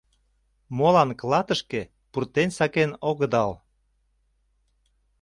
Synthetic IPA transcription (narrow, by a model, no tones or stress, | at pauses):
molɑnklɑt̪əʃke | purt̪ensɑkenoɣəd̪ɑl